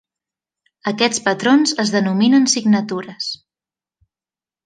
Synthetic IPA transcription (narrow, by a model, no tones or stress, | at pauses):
əkɛt͡spət̪ɾonzəzðənuminənsiɡnət̪uɾəs